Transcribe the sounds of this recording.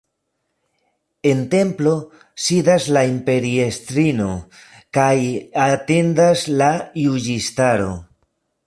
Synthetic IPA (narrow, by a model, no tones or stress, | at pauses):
e̞nte̞mplo̞ | sidaslaimpe̞ɾiest̪ɾino̞ | kajate̞ndaslajud͡ʒistaɾo̞̰